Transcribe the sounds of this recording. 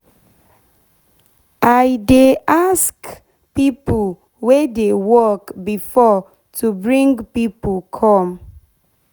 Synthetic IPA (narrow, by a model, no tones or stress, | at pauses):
ʔajdeʔask | pipo | wedewɔkbifɔ | tʰubɹĩŋɡpipokʰɔm